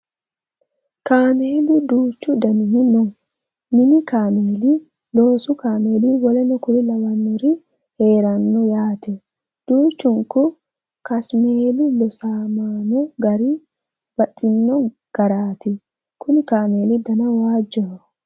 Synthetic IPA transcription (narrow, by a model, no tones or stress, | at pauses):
kaːmeːlɪd̪uːt͡ʃːʊd̪ɐnɪhɪnɔ | mɪnɪkaːmeːli | lo̞ːsʊkaːme̞ːliwɔlɛnɔkʊlɪlɐwɐnːɔɾɪ | heːɾɐnːɔjaːt̪ɛ | d̪̥uːt͡ʃːʊŋkʊ | kɐsme̞ːlɪlɔsaːmaːnɔɡɐɾi | b̥ɐtʼːɪnːɔ | ɡ̥ɐɾaːt̪ɪ | kʊnɪkaːme̞ːlɪd̪ɐnɐwaːd͡ʒːɔɔ